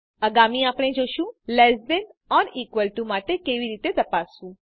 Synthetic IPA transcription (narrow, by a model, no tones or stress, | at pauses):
əɡamiapɽ̃ed͡ʒoʃũlɛsdenɔɾikʋəlʈumaʈekeʋiɾit̪et̪əpasũ